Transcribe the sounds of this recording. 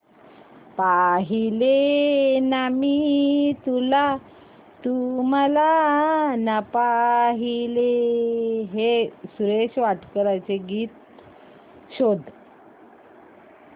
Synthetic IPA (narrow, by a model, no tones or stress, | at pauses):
paɦilenamit̪ula | t̪um̤ala | napaɦile | ɦesuɾeɕʋaʈkəɾajt͡seɡiːt̪̚ | ɕod̪